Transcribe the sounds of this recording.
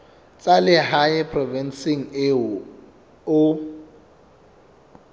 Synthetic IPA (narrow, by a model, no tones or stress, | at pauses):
t͡sʼalɪɦaɪpʰrɔvɛnsiŋ̩e | ʊ